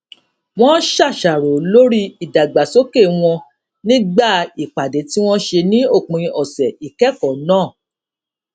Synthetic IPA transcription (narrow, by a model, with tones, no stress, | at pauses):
w̃ɔ̃˦ʃa˦˨ʃa˨ɾo˨lo˦ɾi˦i˨da˨ɡ͡ba˨so˦ke˦˨w̃ɔ̃˧ | nĩ˦ɡ͡ba˦˨i˨k͡pa˨de˨˦ti˦w̃ɔ̃˦ʃe˧nĩ˦o˦˨k͡pĩ˨ĩ˧ʔɔ˨sɛ˨i˨kɛ˨˦kɔ˨nãː˦˨